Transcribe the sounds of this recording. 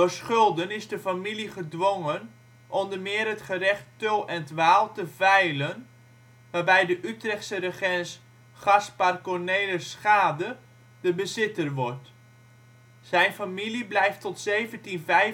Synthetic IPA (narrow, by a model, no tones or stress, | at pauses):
əsχɵlˠdənɪzdəfamiliχədʋoŋən | ʔɔndəmɪːɾətχərɛχtølˠɛntʋaːlˠtəvɛjlən | ʋaːbɛjdəʔytrɛχtsərəχɛns | χɑsparkɔnejləsχaːdə | dəbəzɪtərʋɔrt | z̥ɛjnfamiliblɛjftɔtsejvəntinvɛ